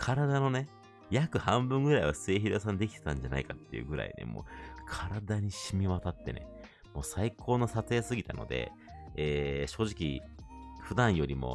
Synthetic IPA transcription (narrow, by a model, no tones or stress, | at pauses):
kʰaɾad̪ano̞ne̞ | jakɯ̟hãmbɯ̟̃ŋɡɯ̟ɾaiβasɨe̞ːçiɾos̬ãnd̪e̞kʲi̥t̪e̥t̪ãɲ̟d͡ʑana̰ikat̪ːe̞jiɯ̟̰ːɡɯ̟ɾa̰ḭnḛmo̞̰ːkʰaɾad̪aɲ̟iɕimʲiβat̪at̪ːe̞nḛ | moːsaikʰo̞ːno̞sat͡sɨjasɨɡʲit̪ano̞̰d̪e̞̰ | eːɕo̞ːʑikʲi | ɸɯ̟d̪ãɰ̃jo̞ɾʲimo̞̰